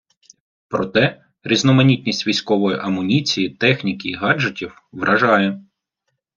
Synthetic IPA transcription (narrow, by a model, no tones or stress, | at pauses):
pɾɔt̪ɛ | ɾʲiznɔmɐnʲitʲnʲisʲtʲʋʲijsʲkɔʋɔjʊ̰ʔɐmʊnʲit͡sʲijit̪ɛxnʲikɪːɦɑd͡ʒetʲiw | ʋɾʔɐʒɑjɛ